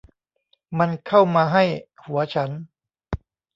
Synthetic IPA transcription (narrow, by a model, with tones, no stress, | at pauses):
ma˧nkʰa˥˩wmaː˧ɦa˥˩jhu˩˦ɐt͡ɕʰa˦˥n